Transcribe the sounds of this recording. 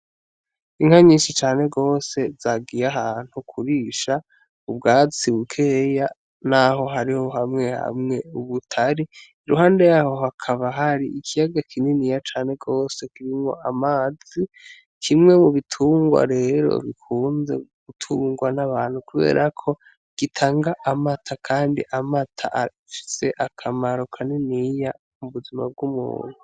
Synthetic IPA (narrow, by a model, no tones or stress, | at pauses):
iŋ̥haɲiːnʃit͡ʃaːne̞ɡo̞ːse̞zaɡijaɦaːn̥hukʰuɾiːʃa | ubɡaːt͡siβukʰeja | naɦo̞ɦaɾiho̞ɦamŋe̞ha̰mŋe̞uβutʰaɾiiɾuɦaːnde̞jaːho̞ɦakʰaβaɦaɾiikʰijaɡakʰininijat͡ʃaːne̞ɡo̞ːse̞kiɾimŋo̞̰amaːz̥i | kʰimŋe̞muβitʰuːŋɡwa̰ɾe̞ɾo̞̰βikʰuːnze̞̰ɡ̥utʰuːŋɡwanaβaːn̥hukuβe̞̰ːɾʔakʰo̞ | ɡ̥itʰaːŋɡaʔamatʰakʰaːndiʔamatʰa̰ʔ | fi̥se̞ʔakʰamaɾo̞kʰanenija | muβuzima̰b̚ɡumṵːnhu